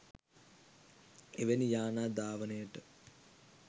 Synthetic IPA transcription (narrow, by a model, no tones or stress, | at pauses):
eʋenijaːnaːd̪aːʋənəjəʈə